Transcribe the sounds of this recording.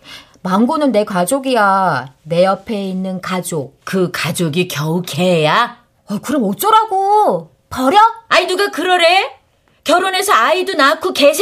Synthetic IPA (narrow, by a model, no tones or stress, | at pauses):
maŋɡonɯnːe̞kwad͡ʑoɡijane̞ʌpʰe̞inːɯnkad͡ʑok̚kɯkad͡ʑoɡikjʌukʰeja | akɯɾʌmot͡ɕ͈ʌɾaɡo | pʌɾjʌainuɡakɯɾʌɾe | kjʌɾone̞sʰʌaidunakʰoke̞ɕʰ